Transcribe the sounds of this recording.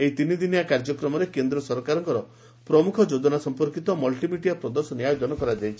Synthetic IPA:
eit̪inid̪injakaɾd͡ʒɔkɾɔmɔɾekend̪ɾɔsɔɾkaɾɔŋkɔɾɔ | pɾɔmukʰɔd͡ʒod̪ɔnasɔmpɔɾkit̪ɔmɔlʈimiʈijapɾɔd̪ɔsɔniajɔd̪ɔnɔkɔɾad͡ʒajt͡ʃʰi

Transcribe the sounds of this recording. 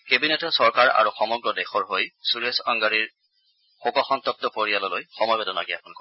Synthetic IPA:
kebinetɔsɔɹkaɹa̰ɹuxɔmɔɡɹɔdɛxɔɹɦojsuɹesaŋɡaɹiɹ | xokɔxɔnt̪ɔp̚tɔpoɹialɔlojxɔmɔjbɛdɔnaɡiapɔnkɔ

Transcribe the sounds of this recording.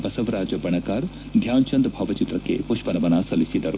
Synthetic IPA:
bɐsɐʋɾaːd͡ʒɐbɐɳɐkaːɾ | d̪ʱjaːnt͡ʃɐnd̪bʱɐʋɐt͡ʃit̪ɾɐkḛpuʃpɐnɐmɐnaːsɐlisid̪ɐɾu

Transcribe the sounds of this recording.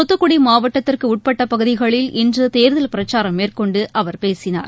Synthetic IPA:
ɔt̪ːɯkːʊɽimaːʋɐʈːɐt̪ːɪrkɯʊʈ̚pɐʈːɐpɐɣɯðɪɣɐɭɪlʔɪndrɯt̪eːɾðɐlpɪɾɐt͡ʃːaːɾɐmːeːrkɔɳɖɯʔɐʋɐɾpeːsɪna̰ːɾ

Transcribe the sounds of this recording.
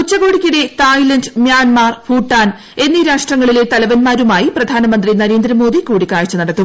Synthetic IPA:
kut͡ɕːɐɣo̞ːɽikʲːiɽe̞t̪aːjlɐndmjaːnmaːrfuːʈːaːn | e̞nːiɾaːʂʈrɐŋːɐɭile̞t̪ɐlɐʋɐnmaːɾumaːjiprɐd̪ʱaːnɐmɐnd̪rinɐɾe̞ːnd̪ɾɐmo̞ːd̪ʱikuːɽikaːɻt͡ɕːɐnɐɽɐt̪ːum

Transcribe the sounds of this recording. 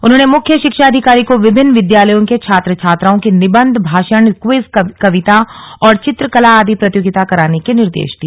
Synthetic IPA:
ʊnɦõːnemʊkʰjəʃɪkʃaɐd̪ʱɪkaːɾikoʋɪbʱɪnːʋɪd̪jaːləjõket͡ʃʰaːt̪ɾət͡ʃʰaːt̪ɾaːõkinɪbə̃nd̪ʱbʱaːʃəɳkwɪzkɐʋɪt̪aɔːɾt͡ʃɪt̪ɾəkɐlaaːd̪ʱipɾɐt̪joːɡɪt̪akɐɾaːnekenɪɾd̪ḛːʃd̪i

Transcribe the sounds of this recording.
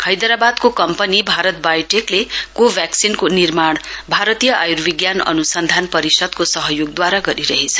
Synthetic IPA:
kʰʌjd̪ʌɾabad̪kokʌmpʌnibʱaɾʌt̪̚bajʈeklekobʱjaksinkonirmaɽbʱaɾʌt̪ijʌʔajurbiɡjanʌ̰nusʌnd̪ʱanpʌɾisʌd̪kosʌɦʌjoɡ̚d̪waɾaɡʌɾiɾʌɦit͡sʰʌ̥

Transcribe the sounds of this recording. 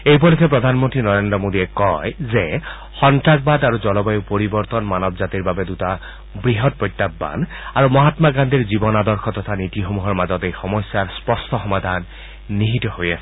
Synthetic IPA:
ejpɔlisɛpɹɔd̪ʱanmɔntɹinɔɹendɹɔmodiɛkɔjzɛ | xɔntak̚bad̪aɹuzɔlɔbajupoɹibɔɹt̪ɔnmanɔbzatiɹbabɛduta | bɹiɦɔt̚pɹɔjt̪ːabːa̰n | aɹumɔɦatmaɡand̪ʱiɹzibɔnadɔɹxʰɔt̪ɔt̪ʰanitixomuɦɔɹmazɔtejxɔmɔsːaɹspɔstʰɔxɔmad̪ʱanː | iɦitɔɦoja̰sɛ

